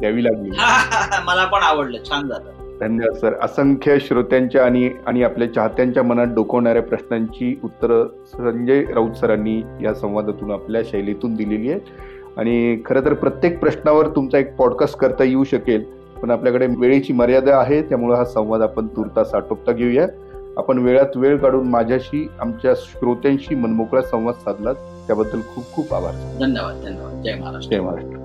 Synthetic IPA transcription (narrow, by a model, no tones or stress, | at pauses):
t̪jaʋiːlaɡliaməlapəɳaʋəɽləːt͡ɕʰand͡zat̪ə | t̪anːəʋat̪səɾə̰səŋkʰəɕɾot̪jaɲt͡ɕjaːɽ̃iaɽ̃iapljat͡ɕaɦat̪jaɲt͡ɕjamənat̪̚ɖokəʋɳaɾjapɾəɕɳaɲt͡ɕiːut̪ːəɾə | səɲd͡ʑəjɾaut̪səɾanːiːjasə̃w̃ʋad̪ʱat̪uːnapljaɕəjlet̪uːnd̪ileliːje | a̰ɽ̃ikʰəɾet̪əɾpɾət̪jek̚pɾəɕnaʋəɾt̪umt͡saek̚pɔɽkasʈ̚kəɾt̪ajeuːɕəkel | pəɳapljakəɽeʋeɭit͡ɕiːməɾjad̪əaɦet̪jamuɭəɦasə̃w̃ʋad̪apəɳt̪uɾt̪asaʈop̚t̪aɡʱeuja | a̰pəɳʋeɭat̪ʋeɭkaɽuːnmad͡ʑʱjaɕiːamt͡ɕjaɕɾot̪jãɲɕiːmənmokɾasə̃w̃ʋad̪t͡sad̪ʱlat̪ːjabəd̪ʱːəlkʰuːp̚kʰuːpa̰bʱa̰ɾd̪ʱənːəʋad̪̚d̪ʱənəʋa̰d̪̚d͡ʑamaɾaʂʈejm̤aɾaʂʈɾə